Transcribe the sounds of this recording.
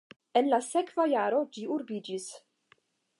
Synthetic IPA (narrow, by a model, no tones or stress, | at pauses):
enlasekvajaɾo̞d͡ʒiuɾbid͡ʒis